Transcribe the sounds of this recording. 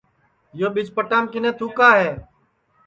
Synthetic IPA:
joːɓɪt͡ʃpəʈaːmkɪnẽːt̪ʰuːkaːɦeː

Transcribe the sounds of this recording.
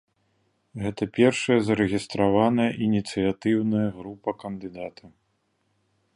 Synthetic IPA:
ɣɛt̪ɐpʲɛrʂɐjɐzɐɾɛɣʲist̪ɾavanɐjɐʔinʲit̪sɨjat̪ɨwnɐjɐɣɾupɐkɐnd̪ɨd̪at̪ʰɐ

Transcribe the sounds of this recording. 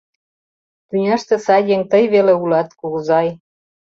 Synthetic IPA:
t̪ynʲɑʃt̪ĕsɑjeŋt̪əjβeleulɑt̪kuɣzɑj

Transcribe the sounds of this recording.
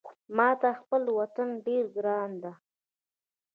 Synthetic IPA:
mɑt̪axpəlwat̪anɖeɾɡɾɑnd̪a

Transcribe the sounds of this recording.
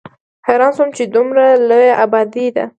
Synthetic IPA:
haɾɑnsʊmt͡ʃed̪umɾalojaʔabɑd̪id̪a̰

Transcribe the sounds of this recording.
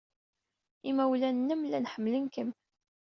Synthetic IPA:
imæwlænːəmlænħəmːlənkəm

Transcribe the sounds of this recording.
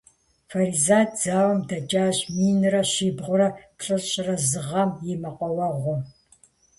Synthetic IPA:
fɐɾizaːtʰd͡z̥aːwɐmdɐt͡ʃʼaːɕmiːnrɐɕiːbʁʷʊɾɐpɬʼɨrɕʼɪrɐzɨʁɐmjɛmɐqʷʼɔwɐʁʷɔ

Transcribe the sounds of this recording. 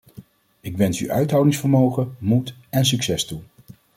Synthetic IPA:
ɪkʋɛnsy̰œ̰ɥtɦɑwdɪŋsfəɹmowχəmutɛnsyksɛstu

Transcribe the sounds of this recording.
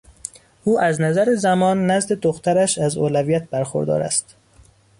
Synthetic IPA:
ʔuːʔæznæzæɾezæmɒːnːæzd̪e̞d̪oxt̪ʰæɾæʃæzoːlævijæt̪̚ʰbæɾxo̰ɾd̪ɒ̰ːɾæ̰st̪

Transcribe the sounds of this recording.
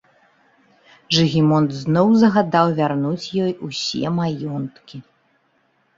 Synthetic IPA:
ʐɨɣʲimɔnd̪znɔwzɐɣad̪awvʲarnut͡sʲjɔjusʲɛ̰majɔnt̪kʲi

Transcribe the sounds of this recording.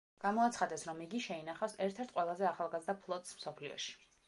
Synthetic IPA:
ɡ̥amɔat̪sʰχad̪ɛsɾɔmiɡiʃɛinaχafsɛɾt̪ʰɛɾt̪ʰqʼwɛlˠazɛaχalˠɡazɾd̪apʰlˠɔt̪ʼsmsɔpʰliɔ̰ʃi̥

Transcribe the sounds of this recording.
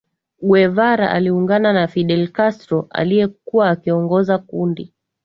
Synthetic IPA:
ɡwɛvaɾa̰ʔa̰liuŋɡananafiɗɛlkastɾɔʔa̰lijɛkuwaːkiɔŋɡɔzakundi

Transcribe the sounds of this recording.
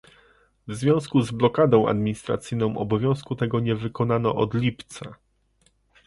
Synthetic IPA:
vzvʲjɔ̃w̃skuzblɔkad̪ɔ̃w̃a̰d̪mʲiɲist̪ɾa̰t̪sɘjnɔ̃w̃ʔɔ̰bɔvʲjɔ̃w̃skut̪ɛɡɔɲɛvɘkɔnanɔʔɔd̪lʲipt̪sa

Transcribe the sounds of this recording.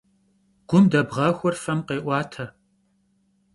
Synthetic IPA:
ɡ̥ʷʊmdɐbʁɐxʷɔrfɐmqeːʔʷɑːtʰɐ

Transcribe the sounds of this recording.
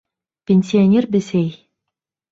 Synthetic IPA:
pʲenʲsʲionʲerbɘsej

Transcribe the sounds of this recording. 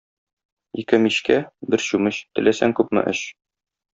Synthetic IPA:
ikɘmiɕkæbɘɾɕʉmɘɕt̪ɘ̆læsæŋkʉpmɘ̰ʔɘɕ

